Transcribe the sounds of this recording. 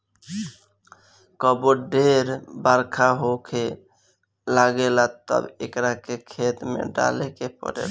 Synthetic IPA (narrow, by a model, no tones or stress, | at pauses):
kəboɖeɾbəɾkʰaɦokʰe | laɡelat̪ə̰bḛkɾakekʰet̪mḛɖa̰lekepə̰ɾḛl